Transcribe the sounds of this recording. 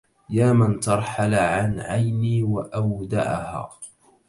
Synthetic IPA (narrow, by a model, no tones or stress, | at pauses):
jaːmant̪ɑɾˤħalʕanʕajniːwaʔawd̪a̰ʕaha̰ː